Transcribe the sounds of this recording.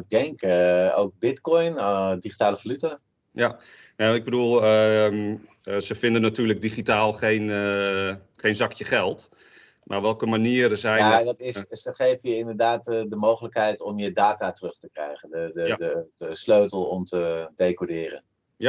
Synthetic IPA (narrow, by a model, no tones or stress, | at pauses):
ɪɡ̚dɛŋko̰wk̚bɪtkɔjndiχitaːləfalyta | janaɪɡ̚bədulˠ | səfɪndənatyːləɡ̚diχitaːlˠχejn | χejnzɑkjəχɛlˠt | maʋɛlˠkəmaniəɾəzɛjnadɔtɪssəχejfəjəɪndərdaːtdəmowχələkɦɛjtɔmjədaːtatrøχtəkrɛ̰jχəndəəə̥əsløɥtəlˠɔmtədejkodɪːrə̰n | a